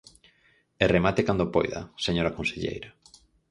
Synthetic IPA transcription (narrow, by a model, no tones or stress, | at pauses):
eremat̪ekand̪opo̰jða̰seɲoɾakonseʎḛjɾa